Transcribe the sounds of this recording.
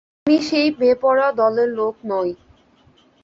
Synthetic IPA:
miʃejbepɔɾad̪ɔleɾlok̚ʰnɔj

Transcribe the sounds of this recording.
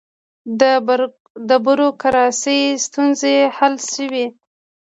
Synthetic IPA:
d̪ə | d̪əbəɾokaɾɑsəjst̪unzehalʃəwi

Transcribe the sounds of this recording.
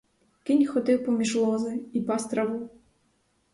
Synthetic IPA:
kɪnʲxɔt̪ɪwpɔmʲiʒlˠɔzɪipɑst̪ɾɐʋu

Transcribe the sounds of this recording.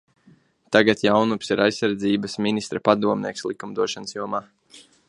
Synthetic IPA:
t̪aɡat̪jawnupsiɾajsːaɾd̪ziːbasminist̪ɾapad̪uɔmnʲiɛkslˠikumd̪uɔʃansjuɔmaː

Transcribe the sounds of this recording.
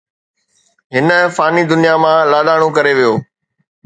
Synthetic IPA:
ɦɪnəfaːnid̪ʊnijamãlaːɗ̪aːɽ̃õkɐɾeʋijoː

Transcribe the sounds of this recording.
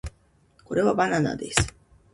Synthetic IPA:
koɾevabanana̰d̪ḭs

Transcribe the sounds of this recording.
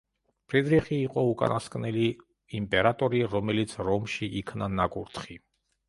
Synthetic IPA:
pʰɾid̪ɾiχiːqʼɔukʼa̰naskʼnɛli | impʼɛɾat̪ʼɔɾiɾɔmɛlit̪sʰɾɔmʃiʔikʰnanakʼuɾt̪ʰχi

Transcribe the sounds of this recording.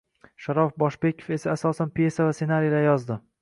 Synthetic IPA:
ʃaɾɒfbɒʃbe̞kʲʰofe̞saːsɒsanpje̞savase̞naɾijalajɒzd̪ɪ

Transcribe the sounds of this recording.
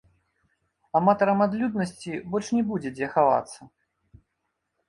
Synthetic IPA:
amat̪ɐɾɐmad̪lʲud̪nɐsʲt͡sʲibɔlʲʂnʲɛbud͡zʲɛd͡zʲɛxava̰t̪sːɐ

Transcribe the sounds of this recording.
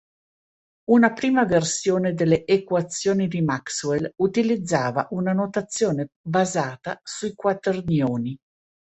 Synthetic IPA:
unapɾiːmaversjoːned̪elːeʔːkwat̪sːjoːnid̪imakswelut̪ilid̪zːaːva̰ʔunanot̪at̪sːjoːnebazaːt̪asuikwat̪ernjoːni

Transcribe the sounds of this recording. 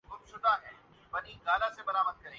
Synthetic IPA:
ʊbsʊʈaɦɛː | pɐɾĩːɡaːlasebɐɾaːməd̪̚kɐɾẽː

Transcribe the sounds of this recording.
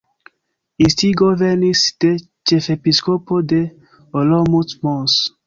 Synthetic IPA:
ist̪iɡovenisd̪̥e | t͡ʃefepiskopod̪e | olomutmɔs

